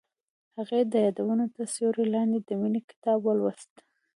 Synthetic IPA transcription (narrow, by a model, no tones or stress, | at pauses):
haɣed̪əjɑd̪awunot̪asjoɾelɑnd̪ed̪əminikɪ̥t̪ɑbwəlwast̪